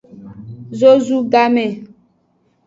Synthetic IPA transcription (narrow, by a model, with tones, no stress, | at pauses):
zo˦zu˦ɡa˦mɛ̃˨